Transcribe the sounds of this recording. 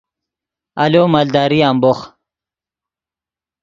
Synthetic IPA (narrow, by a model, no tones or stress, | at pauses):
aloːmald̪ɑːɾiamboχ